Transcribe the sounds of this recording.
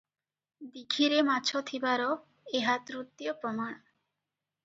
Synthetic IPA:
d̪iɡʰʱiɾemat͡ɕʰot̪ʰibaɾo | eɦat̪ɾut̪ːijopɾɔman

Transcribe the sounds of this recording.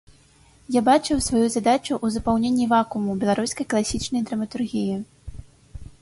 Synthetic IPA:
jabat͡ʂɨwsvajuzad̪at͡ʂuʔuzɐpawnʲenʲːivakumubʲɛlˠaɾusʲkɐjklˠasʲit͡ʂnɐjd̪ɾɐmɐt̪urɣʲiji

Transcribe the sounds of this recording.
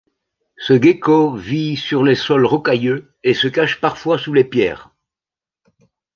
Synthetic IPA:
səɡekɔvisyʁlesɔlʁɔkajø | esəkaʃpaʁfwasulepjɛ̰ːʁ

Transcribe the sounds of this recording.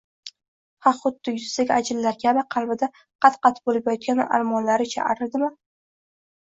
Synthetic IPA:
hɑχʊd̪̥ːɪjʊzsaɡʲad͡ʒɪlːaɾkʲʰabɪqʰɑlˠbɪd̪a | qʰɑt̪qɑt̪ʰɪ̥bolɪpjt̪̚kʲanɪ̰ʔa̰ɾmɒnlaɾɪt͡ʃʰa̰ʔa̰ɾɪɾd̪ɪmɪ

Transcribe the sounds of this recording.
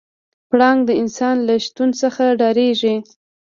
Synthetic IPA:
pɽɑŋɡd̪əɪnsɑnlaʃt̪unsəxaɖɑɾeʒi

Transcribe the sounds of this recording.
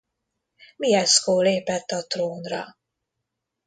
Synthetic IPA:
miɛskoːleːpɛt̪ːɒt̪roːnrɒ̰

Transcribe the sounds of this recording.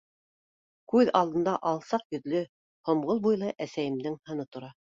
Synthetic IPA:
kʉðɑlˠd̪ɤ̆nd̪ɑʔɑlˠsɑqjɵ̆ðlɘ | hŏmʁɤlˠbujlˠɤʔæsæjɘ̆md̪ɘŋhɤ̆nɤt̪ŏɾɑ

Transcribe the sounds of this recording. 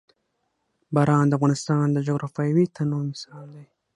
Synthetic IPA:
baɾɑnd̪əafɣɑnɪst̪ɑnd̪əd͡ʒoɣɾʔɑfɑjwit̪ʰanomɪsɑld̪aj

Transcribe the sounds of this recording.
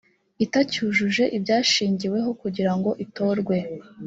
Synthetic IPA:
itacuʒuʒe̞ʔibjaːʃiːɲɟiwe̞ɦo̞kuɟiɾaŋɡo̞ʔito̞ːɾɡwe̞

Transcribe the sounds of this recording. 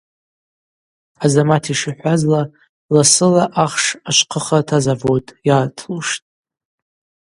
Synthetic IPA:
azamatʰiʂiħʷazla | lasɨlaʔaχʂaʃʷqʰəχatʰazavotʼjaːtʰluʂtʼ

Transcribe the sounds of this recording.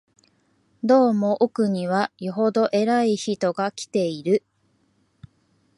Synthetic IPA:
d̪o̞ːmo̞ʔokɯ̟ɲ̟iβajoɦo̞d̪o̞ʔe̞ɾaiçit̪o̞ɡakʲi̥t̪e̞iɾɯ̟

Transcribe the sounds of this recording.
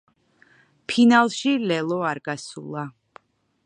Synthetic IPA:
pʰinalˠʃilɛlˠɔaɾɡasṵlˠa

